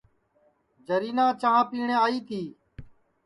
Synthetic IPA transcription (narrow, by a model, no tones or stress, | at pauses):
d͡ʒəɾiːnãːt͡ʃaãːpiːɳẽːaːiːt̪ʰiː